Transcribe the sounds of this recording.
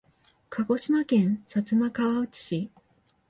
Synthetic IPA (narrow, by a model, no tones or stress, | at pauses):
kʰaɡo̞ɕimakẽ̞ɰ̃sat͡sɨmakaβao̟t͡ɕi̥ɕi